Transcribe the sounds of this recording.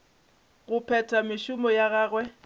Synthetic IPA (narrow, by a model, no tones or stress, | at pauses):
ɣʊpʰɛtʰamɪʃʊmɔjaɣaːɣwɛ